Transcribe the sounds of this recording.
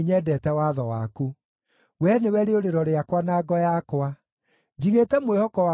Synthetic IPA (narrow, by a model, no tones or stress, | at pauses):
ɲɛdɛtɛwaðɔwa̰ku | wɛnewɛɾeoɾeɾɔɾeakwanaːɡɔjakwa | d͡ʑiɣetɛmwehɔkɔwa